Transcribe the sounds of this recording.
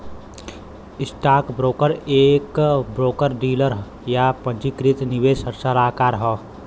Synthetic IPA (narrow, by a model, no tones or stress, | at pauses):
ɪsʈaːkbɾoːkəɾeːkbɾoːkəɾɖiːləɾɦ | japə̃nt͡ʃikɾɪt̪nɪʋeːsəɾsalaːkaːɾɦɔː